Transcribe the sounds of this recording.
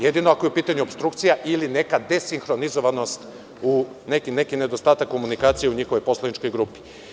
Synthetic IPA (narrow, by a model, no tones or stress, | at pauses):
jed̪inoakojeupiːt̪aɲuopst̪ɾuk̚t̪sijaʔiline̞kad̪e̞siŋxɾo̞nizoʋano̞st̪ | u | nekine̞kine̞d̪o̞st̪aːt̪akːo̞munikaːt̪sijeuɲixo̞ʋo̞jpo̞slˠanit͡ʃko̞jɡɾupi̥